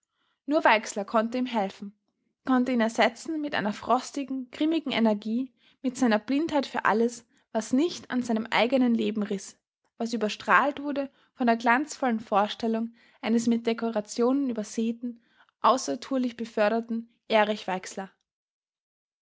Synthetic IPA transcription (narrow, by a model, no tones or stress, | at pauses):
nuːɐvaɪkslɐkʰɔntəiːmɦɛlfn̩ | kʰɔntəiːnɛɐz̥ɛt͡sn̩mɪtʔa̰ɪnɐfʁ̥ɔstɪɡŋ̩ɡ̥ʁɪmɪɡŋ̩enɛɐɡiː | mɪtz̥aɪnɐblɪnthaɪtfyːɐʔa̰ləs | v̥asnɪçtʰa̰nzaɪnəmʔa̰ɪɡənənleːbm̩ʁɪs | v̥asʔyːbɐʃtʁ̥aːltv̥ʊɐdə | fɔndeːɐɡlant͡sfɔlənfoːɐʃtɛlʊŋ | ʔaɪnəsmɪt̚d̥ekoʁat͡sjoːnənyːbɐz̥eːtn̩ | ʔaʊsɐtʰuːɐlɪçb̥əfœɐɾɐtn̩ | ʔɛːʁɪçv̥aɪkslɐ